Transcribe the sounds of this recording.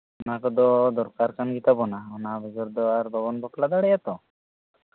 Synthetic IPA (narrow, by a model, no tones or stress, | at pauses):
makɔd̪ɔd̪ɔɾkaɾkʰanɡit̪abɔnaɔnabʱɔd͡ʒɔɾd̪ɔaɾbɔbɔnbʱɔklad̪aɽɛjat̪ɔ